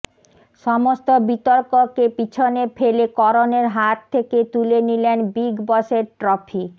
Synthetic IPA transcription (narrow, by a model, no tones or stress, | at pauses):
ʃɔmost̪obit̪oɾkokepit͡ɕʰonefelekɔɾoneɾɦat̪ʰːeket̪ulenilenbiɡbɔʃeɾʈɾɔpʰi